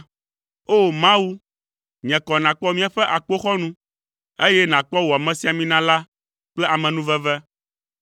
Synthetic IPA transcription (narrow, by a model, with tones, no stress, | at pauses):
o˦mã˦wu˦ | ɲɛ̃˨kɔ˨nã˨k͡pɔ˦mĩ˦a˨ɸɛ˦ʔa˨k͡po˦xɔ˦nũ˦ | e˦jɛ˦nã˨k͡pɔ˦wɔ˨a˨mɛ̃˨si˦a˨mĩ˦nã˦la˦ | k͡plɛ˦ʔa˨mɛ̃˨nũ˦vɛ˦vɛ˦